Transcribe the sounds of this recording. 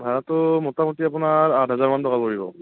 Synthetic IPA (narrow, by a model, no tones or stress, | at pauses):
bʱaɹɔtːʊmɔtamutiapʊnaɹadɦazaɹmantɔkalpoɹibɔ